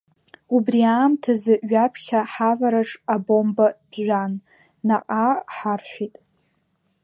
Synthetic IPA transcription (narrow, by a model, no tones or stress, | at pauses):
ubriaːmtʰazɨʔɥapʰχʲaħavaɾaʈ͡ʂʼabo̞mbad̥ʒʷanː | aqʼaħarħᶣʷitʼ